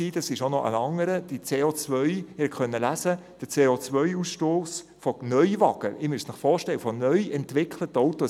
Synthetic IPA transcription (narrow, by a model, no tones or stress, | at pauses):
iːd̥ɑsɪʃonɔʔə̰nɑŋːəɾəd̥it͡seːoːt͡sʋœʏɪhɛχœnːəlæzəd̥ət͡seːot͡sʋœʏusʃtoːs | fɔnœʏvɑɡ̥əɪmystnɪχfɔːɾʃtɛləfɔnœʏɛntʋɪkʰlətːɔwtɔ